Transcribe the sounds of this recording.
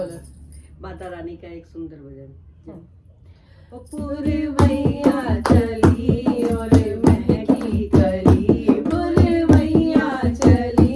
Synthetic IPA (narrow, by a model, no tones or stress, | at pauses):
baːt̪aɾanikaeːksund̪əɾbʱəd͡ʒən | puɾebʱɐijat͡ʃɐliɔːɾmɛɦkikəlibuɾebʱəijat͡ʃɐli